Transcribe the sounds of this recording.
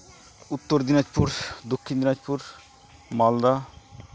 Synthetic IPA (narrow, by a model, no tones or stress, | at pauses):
ut̪ːoɾd̪inad͡ʑpuɾd̪okʰːind̪inad͡ʑpuɾ | mɔld̪a